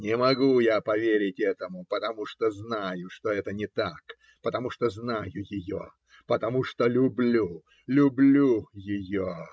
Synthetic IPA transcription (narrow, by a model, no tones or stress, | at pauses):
nʲɪmɐɡujapɐvʲeɾʲɪtʲɛt̪əmʊpət̪ɐmuʂt̪oznajʊʂt̪oɛt̪ənʲɪt̪ak | pət̪ɐmuʂt̪oznajʊjɪjo̰ | pət̪ɐmuʂt̪olʲʊblʲu | lʲʊblʲujɪjo